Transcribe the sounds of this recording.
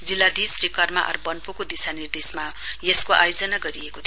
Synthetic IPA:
d͡zilːad̪isrikʌrmaʔʌ̰rbʌnpukod̪isanird̪esmajeskoʔa̰jod͡zʌnaɡʌɾiekot̪ʰ

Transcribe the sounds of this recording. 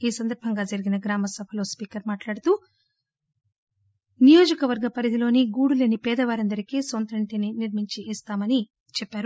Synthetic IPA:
iːsɐnd̪ɐɾbʱɐŋɡaːd͡ʒɐɾiɡinɐɡɾaːmɐsɐbʱɐlo̞ːspiːkɐɾmaːʈlaːɽut̪uː | nijo̞ːd͡ʒɐkɐʋɐɾɡɐpɐɾid̪ilo̞ːniɡuːɽuleːnipɛːd̪ɐʋaːɾɐnd̪ɐɾikisont̪ɾɐɳʈininiɾmiɲt͡ʃiːst̪aːmɐni | t͡ʃɛpːaːɾu

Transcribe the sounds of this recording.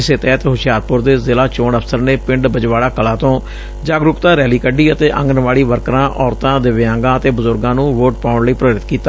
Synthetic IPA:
ɪseːt̪ɛːt̪ːɦʊʃɪjaːɾpʊɾd̪eːzɪlaːt͡ʃoːɳəpʰsəɾneːpɪ̃ɳɖbəd͡ʒʋaːɽaːkəlãːt̪õː | d͡ʒaːɡɾʊkt̪aːɾɛːliːkəɖiːət̪eːʔə̰̃ŋɡənʋaːɭiːʋəɾkɾãːʔɔːɾt̪ãːd̪eːʋɪãːŋɡãːət̪eːbəzʊɾɡãːnũːʋoːʈ̚paːʊɳləiːpɾəʋɾɪt̪kiːt̪aː

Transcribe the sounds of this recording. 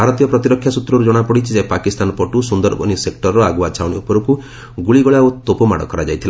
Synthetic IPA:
bʱaɾɔt̪ijɔpɾɔt̪iɾɔkʰːjasut̪ɾɔɾud͡ʒɔɽ̃apɔɽit͡ʃʰid͡ʒaepakist̪anɔpɔʈusund̪ɔɾbɔ̰nisek̚ʈɔɾɾɔaɡuat͡ʃʰawɽiupɔɾɔku | ɡuɭiɡɔɭaot̪opɔmaɽɔ̰kɔɾad͡ʒajt̪ʰila

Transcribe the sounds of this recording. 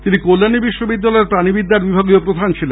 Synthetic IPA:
t̪inikolːanibiʃːobid̪ːalɔeɾpɾanibid̪ːaɾbibʱaɡiopɾod̪ʱant͡ɕʰilen

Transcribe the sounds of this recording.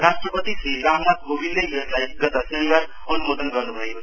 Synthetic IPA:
ɾasʈrʌpʌt̪isɾiɾamnat̪̚ɡobind̪eeslajbiɡʌt̪ʌsʌnibaɾ | ʌnumod̪ʌnɡʌɾnubʱʌeko

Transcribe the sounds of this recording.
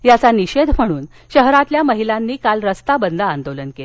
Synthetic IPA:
jat͡saniɕed̪ʱm̤əɽ̃uːn | ɕəɦɾat̪ljaməɦilanːiːkalɾəst̪abənd̪ʱəand̪olənkele

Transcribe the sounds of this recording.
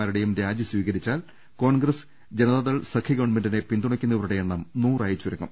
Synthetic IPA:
aːɾiɽejumɾaːd͡ʑjɐsʋiːɣɐɾit͡ɕːaːl | ko̞ːɳɡrɐs | d͡ʑenɐðɐðɐɭsɐkʰɐɡɐwɳmendine̞pind̪uɳɐkʲːunːɐɾuɽejeɳːɐmnuːraːjit͡ɕːuɾɐŋɡɐm

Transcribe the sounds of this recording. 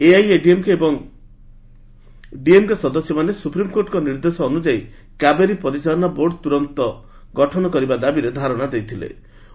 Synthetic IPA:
eajeɖiemkeːbɔŋ | ɖiemkesɔd̪ɔsjɔmanesupɾimkoɾʈkɔniɾd̪esɔːnud͡ʒai | kabeɾipɔɾit͡ʃaɔnaboɾɖɔt̪uɾɔnt̪ɔ | ɡɔʈʰɔnɔkɔɾibad̪abiɾed̪ʱaɾɔɽ̃ad̪ejt̪ʰilḛ

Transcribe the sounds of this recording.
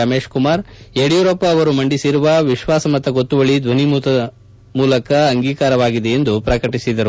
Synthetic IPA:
ɐme̞ːʃkumaːɾeɽijuɾopːɐːʋɐɾumɐɳɖisiɾuʋɐʋiʃʋaːsɐmɐt̪ːɐɡot̪ːuʋɐɭid̪ʋɐnimut̪ɐ | muːlɐkɐːŋɡiːkaːɾɐʋaːɡid̪eend̪upɾɐkɐʈisid̪ɐɾu

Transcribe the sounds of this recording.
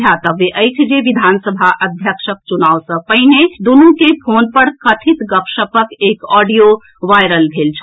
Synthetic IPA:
jat̪əbeʔəjt͡ʃʰd͡ʒeʋid̪ʱansəbʱaʔəd̪ʱjəkʃək̚t͡ʃunaʋsə̃pəɦined̪unukepʰonpəɽkət̪ʰit̪ɡəpʃəpəkekɔɖijo | ʋajɾəlbʱelt͡ʃʰ

